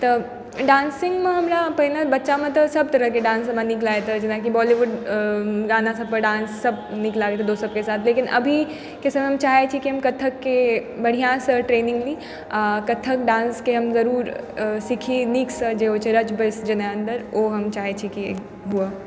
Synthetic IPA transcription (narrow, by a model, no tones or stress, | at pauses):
t̪ɐ | ɖãːnsɪ̃ŋɡmẽɦɐmɾapɐɦɪnəbɐtːʃamɐ̃t̪ɐsɐb̚t̪ɐɾəkeɖãːnsɦɐmãnɪklaːet̪ʰad͡ʒɪnakibɔːliʋʊɖ | ɡaːnasɐ̃pəɐɖãːnsːɐbnɪklaːɾeet̪ʰed̪oːsɐbkesaːt̪ʰleːkɪnɐ̰bʱi | kɪsmẽɦɐmt͡ʃaːɦet͡ʃʰikiɦɐmkɐt̪ʰəkːebɐɽ̤ijãsəʈɾeːnɪ̃ŋɡliː | akɐt̪ʰəkɖãːnskeɦɐmzɐɾuːɾsɪkʰiniksəd͡ʒeːɦoːt͡ʃʰeɾɐt͡ʃbəsd͡ʒɐnaə̃nd̪əɾoːɦɐmt͡ʃaːɦet͡ʃʰikiḛːk | ɦua